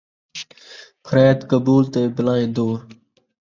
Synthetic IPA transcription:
pʰəɾɛːd̪kəbuːlt̪eːbɪlãːẽːd̪oːɾ

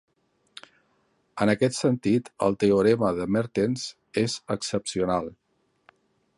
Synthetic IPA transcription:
ənəkɛt̪sənt̪it̪ə̰lˠt̪eoɾɛməðəmeɾt̪enz | ezəksəpsiunalˠ

